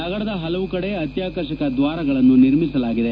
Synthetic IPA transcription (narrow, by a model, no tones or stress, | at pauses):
t̪ɐɣɐɭɐd̪ɐɦɐlɐʋukɐɽe̞ɐt̪jaːkɐɾʃɐkɐd̪ʋaːɾɐɡɐɭɐnːuniɾmisɐlaːɡid̪e̞